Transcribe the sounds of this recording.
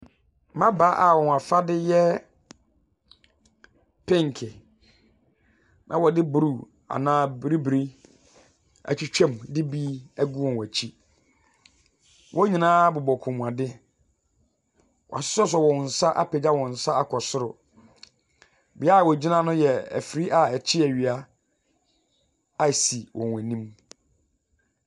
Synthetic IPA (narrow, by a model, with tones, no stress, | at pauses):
mã˦baː˨˦ʔa˨wɔ˨a˨fa˦dɪ˦jɛ˦ | pʰɪ̃˦ŋ˨kʰɪ˨ | nʔã̰˦wɔ˨dɪ˦bu˨ɾu˦˨ | a̰˨nãː˦bɾi˦bɾi˦ | æ̰˨t͡ɕʰᶣi˦t͡ɕᶣɛ̃˦m˨dɪ˦bi˦æ˦ɡu˦wɔ̃˨nwæ˨t͡ɕʰi˦ | wʔɔ̃˦ɲĩ˨nãː˦bʊ˨bɔ˨kʰʊ̃˨m̃˨a˨dɪ˦ | wɔ̰˨a̰˨sɪ̥˦sɔ˦s̬ɔ˨wɔ̃˨n̩˨sa˦ʔa˦pʰɛ˨d͡ʑa˦wɔ̃˨n̩˨sa˦a˦kʰɔ˨sʊ˦ɾʊ̰˨ | bɪ˨˦a˦˨wɔ˨d͡ʑi˦nã˦nʊ̃˦jɛ˨æ̰˨fɾi˦ʔa˦˨ɛ˨t͡ɕʰɪ˦æ˨ɥi˨a˦ | a˦˨si˨wʔɔ̰̃˨nwæ̃˨nĩ˦m